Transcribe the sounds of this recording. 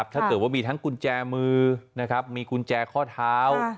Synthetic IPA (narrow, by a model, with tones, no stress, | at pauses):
p̚t̪ʰaː˥˩kɤː˨˩t̪̚waː˥˩miː˧t̪ʰŋku˧nt͡ɕɛː˧mɯː˧na˦˥kʰɾa˦˥p̚miː˧ku˧nt͡ɕɛː˧kʰɔː˥˩t̪ʰaː˦˥w